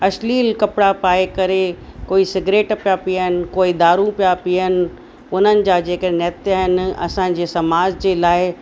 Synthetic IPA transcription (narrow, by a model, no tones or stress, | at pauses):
ɐʃliːlkɐpɪɽapaːekɐɾe | koːisɪɡɾeːʈpijapiənɪ̆koːid̪aːɾũpijapiənɪ̆ | ʊn̤ənɪ̆d͡ʑaːd͡ʑeːkənɛːt̪aɦɪnɪɐ̰sãd͡ʑeːsɐmaːd͡ʑd͡ʑeːlaːɪ